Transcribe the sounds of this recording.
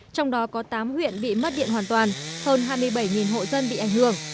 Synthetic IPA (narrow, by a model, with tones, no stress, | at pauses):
t͡ɕɔ˧wŋ͡mɗɔ˨˦kɔ˨˦t̪aː˨˦mhwḭ˧˨ənɓḭ˧˨mə˦˥t̚ɗḭ˧˨ənɦwaː˨˩nt̪waː˨˩nhəː˧nɦaː˧jmɨ˧əjɓə˧˩jŋi˨˩nɦo̰˧˨zə˧nɓḭ˧˨ʔa˧˩ŋ̟hɨ˧˩əŋ